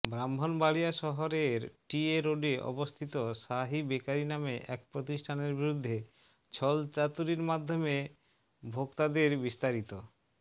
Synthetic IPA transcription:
bɾamːʱonbaɭijaʃɔɦoɾeɾʈieɾoɖeʔɔ̰bost̪ʰit̪oʃaɦibekaɾinameʔɛk̚pɾot̪iʃʈʰaneɾbiɾud̪ʱːe | t͡ɕʰɔlt͡ɕat̪uɾiɾmad̪ʱːome | bʱokt̪ad̪eɾbist̪aɾit̪o

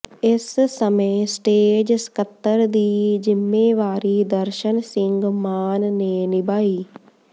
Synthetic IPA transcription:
essɐmeːsʈeːd͡ʒskɐt̪ːɐɾd̪iːd͡ʒimːeːʋaːɾiːd̪ɐɾʃɐnsiŋɡmaːnneːnibai

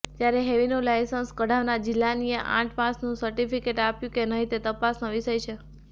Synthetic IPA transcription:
t̪jaɾeɦeʋinũlajsənskəɽ̤aʋnad͡ʒɪlːanijeʔã̰ʈpãsnũsəɾʈipikeʈapjũkenəɦit̪et̪əpasnaʋiʃəjt͡ʃʰe

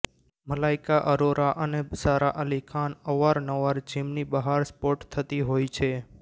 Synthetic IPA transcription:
məlaɪkaʔəɾoɾaʔənesaɾaʔəlikʰanəʋaɾnəʋaɾd͡ʒimnibəɦaɾspoʈt̪ʰːət̪iɦojt͡ʃʰe

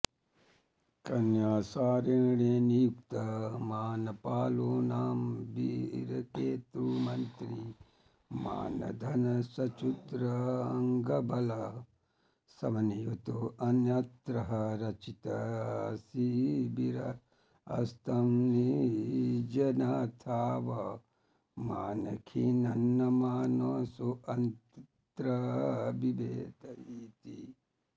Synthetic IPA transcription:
kɐnjaːsaːɾeːɳeːnijukt̪ɐmaːnɐpaːloːnaːmbḭɾɐkeːt̪ɾumɐnt̪ɾi | ma̰ːnɐ̰d̪ʱɐnɐsɐt͡ʃut̪ɾɐːŋɡɐbʱɐlɐ | sɐmɐnijut̪oʔɐnjɐt̪ɾɐɦɐɾɐt͡ʃit̪ɐsibiɾɐ | ɐ̰st̪ʰɐmni | d͡ʒɐnat̪ʰaːʋɐ | maːnɐkʰinɐnːɐmaːnoːsuʔɐnt̪ | t̪ɾɐbibeːt̪ɐit̪i

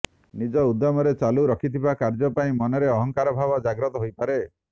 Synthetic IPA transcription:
nid͡ʒɔud̪ːɔmɔɾet͡ʃaluɾɔkʰit̪ʰibakaɾd͡ʒɔpaĩmɔnɔɾeɔɦɔŋkaɾɔbʱabɔd͡ʒaɡɾɔt̪ɔɦojpaɾe

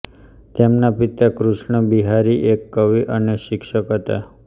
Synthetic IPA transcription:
t̪emnapit̪akɾuʃɳəbiɦaɾiʔekːəʋiʔəneʃɪkʃəkɦət̪a̰

